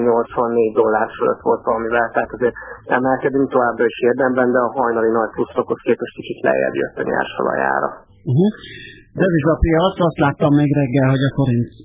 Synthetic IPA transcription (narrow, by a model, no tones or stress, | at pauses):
ɲo̞lt̪sʋɒnːeːɟd̪o̞lːaːrfølø̰t̪ʋo̞lt̪ʋɒlɒmivɛlt̪ɛɦat̪ɒzeːɾɛmɛlkɛd̪yŋk̚t̪o̞vaːbrɒiʃhird̪ɛmbɛnd̪ɛɒɦɒjnɒlinɒc̚plusːokʰoskeːpɛʃk̪it͡ʃit̪lɛ̰jɛ̰d̪jø̰t̪ːɒɲa̰rʃɒ̰lɒ̰ja̰ːɾɒ̰ | uɦu | d̪ɛziʒɒpijɒt̪sɒst̪laːt̪ːɒmːeːɡrɛɡːɛlɦo̞ɟɒko̞ɾint̪